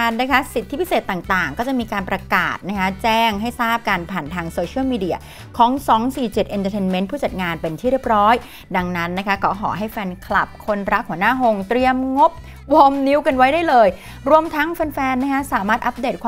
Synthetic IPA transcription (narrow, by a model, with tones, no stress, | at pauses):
a˧nna˦˥kʰa˦˥si˨˩t̪ʰːi˦˥pʰi˦˥seː˨˩t̪ːaː˨˩ŋt̪aː˨˩ŋkɔː˥˩t͡ɕa˨˩miː˧kaː˧npɾa˧ka̰ː˨˩t̪̚na˦˥kʰa˦˥t͡ɕɛː˥˩ŋɦa˥˩jsaː˥˩p̚kaː˧npʰaː˨˩nt̪ʰaː˧ŋsoː˧t͡ɕʰi˦˥ə˨miː˧di˧˩ɐ | kʰɔː˩˦ŋsɔː˩˦ŋsiː˨˩t͡ɕi˨˩t̪̚ʔi˧nt̪ə˧t̪ʰe˧nme˦˥ntpʰuː˥˩t͡ɕa˨˩ŋaː˧npe˧nt̪ʰiː˥˩ɾi˥˩əp̚ɾɔː˦˥j | da˧ŋna˦˥nːa˦˥kʰa˦˥kʰɔː˦˥ɦʰɔ̰ː˩˦ɦa˥˩jfɛː˧nkʰla̰˨˩p̚kʰo˧nɾa˦˥k̚hu˩˦naː˥˩ɦo˧ŋt̪ɾi˧əmŋo˦˥p̚ | wɔː˧mni˦˥wka˧nwa˦˥jdaː˥˩jlɤː˧j | ɾu˧əmt̪ʰa˦˥ŋfɛː˧nfɛː˧nːa˦˥kʰa˦˥saː˩˦maː˥˩t̪̚ʔa˦˥p̚deː˨˩t̪̚kʰwː